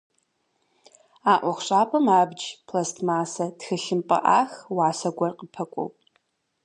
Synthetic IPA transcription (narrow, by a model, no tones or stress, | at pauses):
aːʔʷɔχʷɕʼaːpʰɐmaːbd͡ʒpʰlɐstʰmaːsɐtxɨɬɪmpʼɐ̰ʔa̰ːxwaːsɐɡʷɐrqʼəpʰɐkʷʼɔ̰wʼ